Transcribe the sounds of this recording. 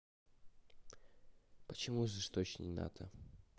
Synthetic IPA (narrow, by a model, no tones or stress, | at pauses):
pət͡ɕɪmuzɨst̪ot͡ɕnʲɪ̰na̰t̪ʰə